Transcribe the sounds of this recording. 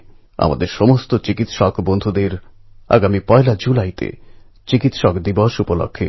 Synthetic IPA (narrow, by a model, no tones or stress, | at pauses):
a̰ma̰d̪eɾʃɔmost̪ot͡ɕikit̪ʃɔkbond̪ʱud̪eɾa̰ɡamipɔelad͡ʑulajt̪ḛ | t͡ɕikit̪ʃɔkd̪ibɔʃupolo̰kʰːe